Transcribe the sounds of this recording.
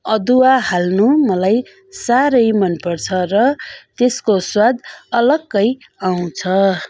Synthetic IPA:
ʌd̪uaɦalnumʌlaj | saɾʌjmʌnpʌrt͡sʰʌrʌt̪eskoswad̪ʌlʌɡːʌj | aw̃t͡sʰʌ

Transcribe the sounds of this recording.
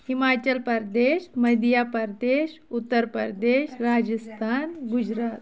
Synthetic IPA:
himat͡ɕəlpəɾd̪eɕməd̪japəɾd̪eɕut̪ːəɾpəɾd̪eɕɾad͡ʑəst̪ʰanɡud͡ʑɾat̪

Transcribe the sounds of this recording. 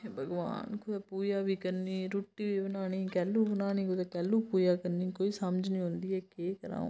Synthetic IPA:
bəɡʋa̰ːnkʰʊd̪aːpuːjaːbiːkəɾniːɾuʈːiːbiːbənaːɽ̃iːkɛːlːuːbənaːniːkʊd̪aːkɛːlːuːpuːjaːkəɾniːkoːiːsəməd͡ʒnĩːɦõnd̪iːɛːkeːkəɾã̰ː

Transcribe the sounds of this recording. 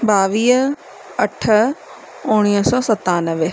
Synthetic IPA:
baːʋiːɦ | ɐʈʰə | ʊɽ̃iːsɔːsɐt̪ːaːnəʋe

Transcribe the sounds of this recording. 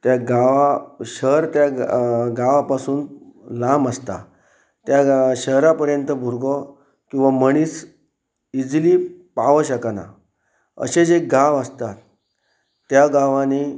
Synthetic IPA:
t̪jaɡaʋaɕəɾt̪jaɡaʋapasuːnlaməst̪a̰ | t̪jaɕəɦɾapəɾjənt̪əbʱuɾɡɔ | kĩw̃ʋaməɽ̃iːs | id͡zlipaʋəɕəkana̰ | ə̰ɕed͡zeɡaʋəst̪at̪ː | jaɡaʋãni

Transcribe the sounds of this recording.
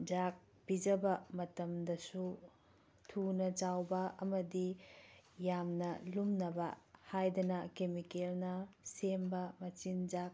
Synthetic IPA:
d͡ʒak̚ | b̥id͡ʒɐbɐmɐtɐmdɐsu | tʰunɐt͡ʃawbɐɐmɐdi | jamnɐlumnɐbɐhajdɐnɐkemikelnɐsembɐmɐt͡ʃind͡ʒak̚

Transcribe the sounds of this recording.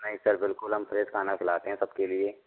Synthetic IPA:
nɐɦisɐɾbɪlkʊlɦɐmfʰɾeːd̪kʰaːnakʰɪlaːt̪eɦɛ̃sɐbkelieː

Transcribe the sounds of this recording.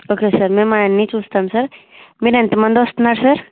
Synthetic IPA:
okesɐɾmɛ̃manːit͡ʃust̪amsɐɾ | miɾɐnt̪əmɐ̃nd̪ost̪naɾsɐɾ

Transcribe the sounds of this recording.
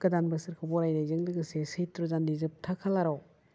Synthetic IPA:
kɐdanbɯsɯɾkʰobɔɾajnajzɯŋdɯɡɯsesejtɾɔzanːizɯp̚tʰakʰalaɾɔ

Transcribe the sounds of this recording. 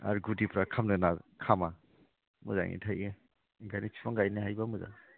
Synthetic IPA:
a̰ɾɡudipɾakʰamnɯnakʰama | mṵza̰ŋḭtʰaje | ɡanit͡ʃʰi̥pʰaŋɡajneɦajbamuza̰

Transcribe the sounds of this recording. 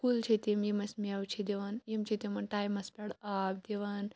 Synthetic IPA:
kult͡ʃʰit̪imjimɐsʲmiɐwt͡ʃʰid̪iʋɐnjimt͡ʃʰit̪imɐnʈaːjmɐspʲɛɽaːbd̪iʋɐn

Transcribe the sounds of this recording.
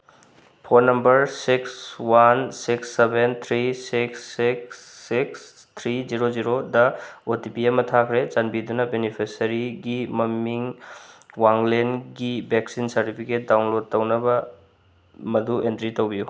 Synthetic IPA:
pʰoɾnɐmbɐɾsikswansiksːebent̪ʰɾisiksiksːiks | t̪ʰɾiziɾoziɾodɐotipiɐmɐtʰakʰɾet͡ʃɐnbidunɐbenipʰesɐɾiɡimɐmiŋ | waŋlenɡibeksinsɐɾtipʰiket̚dawnlod̚tːɐwnɐbɐ | mɐduʔentɾitɐwbiju

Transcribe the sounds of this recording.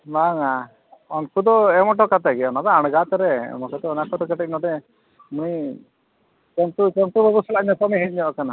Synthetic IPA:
maŋa | ɔnkʰud̪ɔɛmɔʈ̬ɔkat̪aɡɛɔnab̪aaɽ̃ɡat̪ɔɾɛ̰mɔkɛt̪ɔnakɔt̪ɔkɛʈɛc̚nɔʈɛ | muni | t͡ʃɔnt̪ut͡ʃɔnt̪ubɔbusɔlamɛt̪ɔmiɦit̚ˀɲɔʔkana

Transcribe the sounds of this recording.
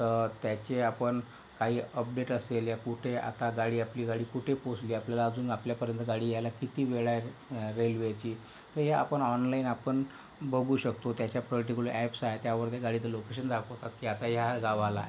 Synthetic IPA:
t̪ət̪jat͡ɕeapəɳ | kaɦiːəp̚ɖeʈəseljakuʈʰea̰t̪aɡaɽiːapliːɡaɽiːkuʈʰeposliːapljalaəd͡zuːnapljapəɾjənt̪əɡaɽiːjajlakit̪iːʋeɭaɾelʋet͡ɕiː | t̪əɾjaa̰pəɳɔnlainapəɳ | bʱəɡuːɕəkt̪ot̪jat͡ɕjapɾəʈikulʔɛpsajet̪jaʋəɾt̪eɡaɽit͡səlokeɕ̬ənd̪ʱakot̪at̪kiːat̪ajaɡaʋala̰

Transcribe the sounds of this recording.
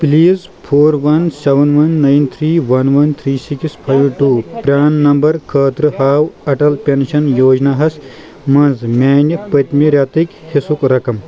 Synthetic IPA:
pliːz | pʰoːɾʋɐnseʋɐnʋɐnːajnt̪ʰɾiːʋɐnʋɐnt̪ʰɾiːsikspʰajʋʈuːpɾʲaːnːɐmbɐɾkʰɐːt̪ɾɨhaːwɐʈɐlpʲenʃɐnjoːd͡ʒnaːɦɐs | mɐnzmʲaːnʲipɐt̪ʲmiɾʲjaːt̪ikhisukɾɐkɐm

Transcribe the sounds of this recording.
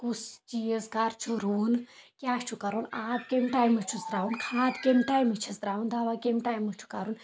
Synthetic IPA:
kusd͡ʒijəzkaːɾt͡ʃʰuɾuːnkʲjaːt͡ʃʰukɐɾunaːd̪kemʈaːjmɨt͡ʃʰusd̪ɾaːunkʰaːd̪kemʈaːjmɨt͡ʃʰisd̪ɾaːund̪aʋaːkemʈaːjmɨt͡ʃʰu̥kaɾun

